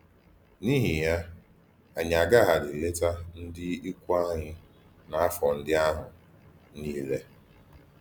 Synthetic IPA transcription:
ni˦ɦi˨ja˦ | a˨ɲ˨a˨ɡa˦ɦa˨dɪ˨le˦ta˦n̩˦dɪ˦i˦kʷa˦ɲɪ˦ | na˨a˦fɔ˨n̩˦dɪ˦a˦ɦʊ˨ | niː˦le˦

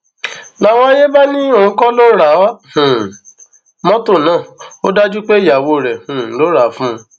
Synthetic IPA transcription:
la˦w̃ɔ̃˦a˦je˦ba˦nĩ˦õ˨˦kɔ˦lo˦ɾa˨˦a˦hũ˨ | mɔ̃˦to˦˨nãː˨˦˨o˦da˦d͡ʒu˦k͡pe˦i˨ja˨wo˧˨ɾɛ˨hũ˨lo˦ɾa˨˦fũ˦˧

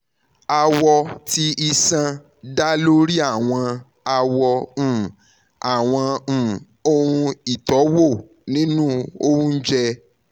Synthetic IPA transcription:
a˧wɔ˧ti˧ʔi˧sã˧ | da˦lo˦ɾi˦a˦˨w̃ɔ̃˧ | a˧wɔ̃˧˨ | a˨w̃ɔ̃˧˨ | o˧ũ˧i˨tɔ˨˦wo˦˨ | nĩ˦nũ˦o˦ũ˦n̩˦d͡ʒɛ˧

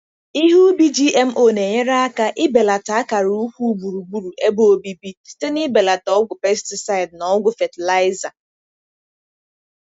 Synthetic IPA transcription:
i˦ɦu˦bi˦d͡ʒi˦ʔe˦m̩˦ʔo˨ne˨ɲe˦ɾa˦a˦ka˦ʔɪ˦be˨la˨ta˨˦a˦ka˨ɾu˦kʷu˦ɡ͡bu˨ɾu˨ɡ͡bu˦ɾu˨ʔe˦bo˦bi˦bi˦ste˦nɪ˦be˨la˨tɔ˦ɡʷʊ˨pe˦stɪ˨sa˦ɪ˨dnɔ˨˦ɔ˦ɡʷʊ˨fe˨tla˦ɪ˦za˨

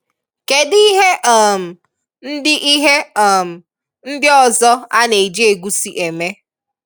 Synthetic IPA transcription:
ke˨di˦ɦe˦ʔɔ˨m̩˨ | n̩˦dɪ˦ʔi˦ɦe˦ɔ˨m̩˨ | n̩˦djɔ˦˨zɔ˦a˦ne˨d͡ʒe˦e˨ɡu˦si˨ʔe˨me˦

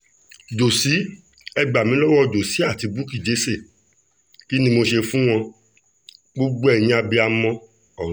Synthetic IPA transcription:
d͡ʒo˨si˨˦ | ɛ˧ɡ͡ba˨mĩ˨˦lɔ˦wɔ˦do˨si˨˦a˦˨ti˧bu˦ki˨d͡ʒe˨˦se˦˨ | ki˦nĩ˧mo˧ʃe˧fũ˦w̃ɔ̃˧ | ɡ͡bo˦ɡ͡bo˦ɛ˦˨ɲĩ˦a˧bi˧a˧mɔ̃˦ | ɔ˨˦

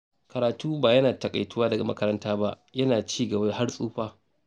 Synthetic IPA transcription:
kɐ˨ɾaː˨tuː˦baː˨jɐ˦naː˨tɐ˨kʼa̰˨jtʊ˦waː˦dɐ˨ɡa˨mɐ̰˦kɐ˦ɾɐ˦ntaː˦ba˦ʔ | jɐ˦naː˨t͡ʃiː˦˨ɡɐ˨ba˦ha˦rsʼuː˦ɸaː˦

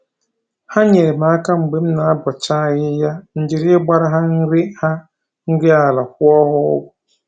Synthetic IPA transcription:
ha˦ɲɛ˨ɾɪ˨mãː˨˦ka˦m̩˨ɡ͡be˦mnã˨˦bɔ˨t͡ɕʰaː˦˨jɪ˦ja˦ɲ̩˨d͡ʑɪ˨ɾɪ˦ɛ˦ba˦ɾa˦ɦa˦n̩˦ɾɪ˦ha˦ | n̩˦ɾɪ˦a˨la˨hʊ˦ɔ˦hʊ˦ʊ˨

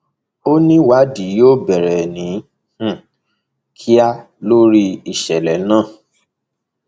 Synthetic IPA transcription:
o˦nĩ˦wa˨˦di˨˦joː˦bɛ˨ɾɛ˨nĩ˨˦ | h̩˦˨ | kʰi˦a˦ | lo˦ɾi˦i˦˨ʃɛ˨lɛ˨˦nãː˦˨

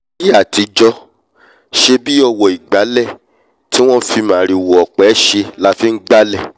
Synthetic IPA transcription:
i˦a˦˨ti˧d͡ʒɔ˧˦ | ʃe˧bi˦ɔ˧wɔ˨i˨ɡ͡ba˨˦lɛ˦˨ | ti˦w̃ɔ̃˦fi˧mãː˨ɾi˨wo˨ɔ˨k͡pɛ˨˦ʃe˧la˦fĩ˦n̩˦ɡ͡ba˦lɛ˦˨

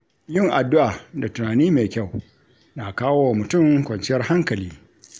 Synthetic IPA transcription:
jɪ˦˨ŋʔa˨dːʊ˦ʔaː˨da˨tʊ˨naː˨niː˦meː˨kʲa˦˨w | na˨kaː˦wo˦a˨mʊ˨tʊ˦˨ŋkʷɐ˨nt͡ʃɪ˦jɐ˦rha˦ŋkɐ˨liː˦

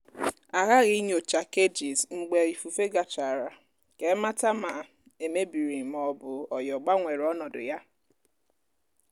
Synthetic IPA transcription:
a˨ɣa˦ɣi˦ɲ˦o˨t͡ʃa˨ke˦d͡ʒi˨zŋ͡m̩˨ɡ͡be˨i˨fu˨fe˦ɡa˨t͡ʃa˨ɾa˨ | ke˨˦ma˦ta˦ma˨ | e˨me˦bi˨ɾi˨mɔ˨bʊ˨ɔ˨jɔ˨ɡ͡ba˦ŋʷe˨ɾɔ˦nɔ˨dʊ̰˨ja˦

